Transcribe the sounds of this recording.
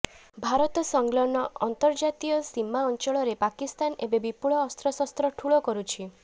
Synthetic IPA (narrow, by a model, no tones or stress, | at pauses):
bʱaɾɔt̪ɔsɔŋɡlɔɳːɔɔnt̪ɔɾd͡ʒat̪ijɔsimːaɔnt͡ʃɔɭɔɾepakist̪anebebipuɭɔːst̪ɾɔsɔst̪ɾɔʈʰuɭɔkɔɾut͡ʃʰi